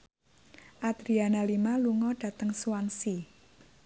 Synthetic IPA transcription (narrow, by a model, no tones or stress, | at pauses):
ʔad̪̥ɾianalimaluŋɔɖ̥ä̤t̪əŋsuwansi